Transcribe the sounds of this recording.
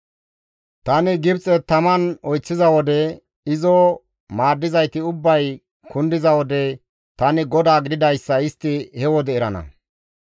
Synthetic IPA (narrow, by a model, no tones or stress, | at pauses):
t̪ɐnɪɡɪbt͡sʼɛt̪ɐmɐnɔjt͡sːɪzɐwɔd̪ɛ | ɪzɔ | maːd̪ːɪzɐjt̪ɪʊbːɐj | kʊnd̪ɪzɐwɔd̪ɛ | t̪ɐnɪɡɔd̪aːɡɪd̪ɪd̪ɐjsːɐɪst̪ːɪhɛwɔd̪ɛɛɾɐ̰nɐ̰